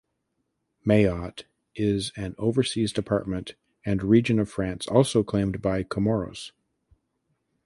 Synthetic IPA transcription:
meɪɑɾ | ʔɪzɨ̃noʊvə˞sizdɨpʰɑ̰ɹt̚mɨ̃nt | ɨ̃nɹid͡ʒɨ̃nʌv̥fɹæ̃nsɔ̰lˠsoʊkʰl̥ẽɪ̃mbaɪkʰəmɔɹoʊz̥

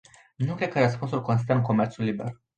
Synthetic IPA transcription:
nukɾed̪̚kəɾəspunsulʲko̞ns̬ist̪əɨnko̞me̞rt̪sulːibe̞̰r

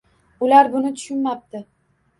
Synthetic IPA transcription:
ʊlaɾbʊnɪt̪ʰʊ̥ʃʊnmap̚t̪ɪ

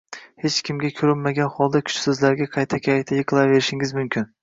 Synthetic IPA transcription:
he̞t͡ʃkʲʰɪmɡʲakʲʰɵɾɪlmaɡʲanχɒlˠd̪akʲʰʊ̥t͡ʃsɵzlaɾɡʲaqʰɑjt̪ʰakʲʰajt̪ʰajɨqʰɨlˠave̞ɾɪʃɪŋɪzmʊmkʲʰɪn

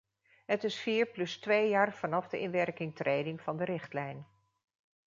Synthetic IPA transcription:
ɦətɪsfiːɹplɵstʋejjaːɹv̥ɑnɑvdəʔɪnʋɛɹkɪŋtrejdɪŋv̥ɑndəɾɪχtlɛjn

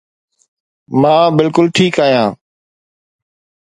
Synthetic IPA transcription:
mãːbɪlkʊlʈʰiːkaːɦjãː

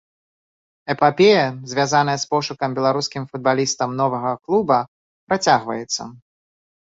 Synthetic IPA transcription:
ɛpapʲejɐzʲvʲjazanɐjɐspɔʂukɐmbʲɛlˠaɾuskʲimfud̪̚balʲist̪ɐmnɔvɐɣɐklˠubɐ | pɾat͡sʲaɣvɐjɛt̪sːɐ̰

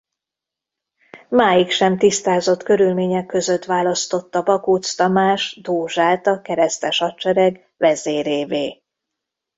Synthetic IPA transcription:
maːjikʃɛmt̪ist̪aːzo̞t̪kø̞ɾylmeːɲɛkːø̞zø̞t̪ʋaːlɒst̪ot̪ːɒbɒkut̪st̪ɒmaːʃd̪oːʒaːt̪ɒkɛɾɛst̪ɛʃɒtt͡ʃɛɾɛɡ | ʋɛzeːɾeːveː

